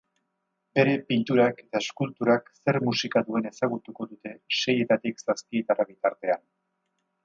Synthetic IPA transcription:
be̞ɾe̞pint̪uɾake̞t̪aeskult̪uɾakse̞ɾmusikaðue̞ne̞saɣ̞ut̪uko̞ðut̪e̞ʃe̞je̞t̪at̪iksaspie̞t̪araβit̪aɾt̪e̞an

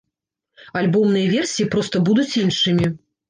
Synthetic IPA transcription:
alʲbɔmnɨjɐvʲɛrsʲijipɾɔst̪ɐbud̪ut͡sʲinʂɨmʲi

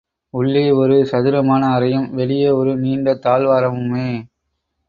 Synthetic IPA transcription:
ʊɭːeːɔɾɯsɐðɪɾɐmaːnɐːɾɐjɐmʋɛɭɪjɐɔɾɯniːɳɖɐt̪aːlʋaːɾɐmɯmeː

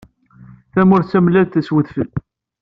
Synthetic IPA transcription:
θæmʊɾt͡sːæmlːæðθæswəθfəl

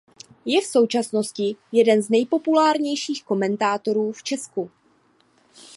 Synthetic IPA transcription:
jɛfso̞wt͡ʃasno̞scɪjɛdɛnznɛjpo̞pulaːɾɲɛjʃiːxko̞mɛnt̪aːt̪o̞ɾuːft͡ʃɛsku

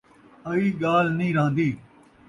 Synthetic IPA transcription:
əiːɠaːlnĩːɾãːnd̪iː

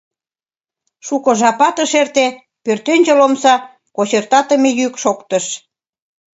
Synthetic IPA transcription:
ʃukɤ̆ʒɑpɑt̪ə̆ʃert̪e | pørt̪enʲd͡ʑelomsɑ | kot͡ɕert̪ɑt̪əmejykʃokt̪əʃ

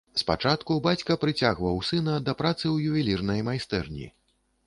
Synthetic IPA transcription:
spa̰t͡ʂat̪kubat͡sʲkɐpɾɨt͡sʲaɣvɐwsɨnɐd̪ɐpɾat̪sɨwjuvʲilʲirnɐjmajst̪ɛ̰rnʲḭ

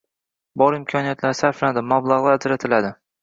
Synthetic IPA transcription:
bɒɾɪmkʰɒnijat̪ʰlaɾsaɾflad̪ɪmablˠaʁlˠaɾad͡ʒɾat̪ʰɪlad̪ɪ

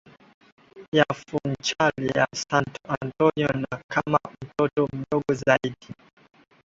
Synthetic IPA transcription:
jafunt͡ʃalija̰santɔantɔɲɔnakʰamam̩tɔtɔm̩ɗɔɡɔzaiɗi

